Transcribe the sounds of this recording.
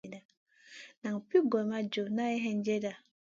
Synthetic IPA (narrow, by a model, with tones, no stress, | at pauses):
da˨ | na˨ŋ˨pi˦ɡɔ˨ma˦d͡ʒo˨na˦e˦ɦɛ˦n̩˦d͡ʒe˦da˨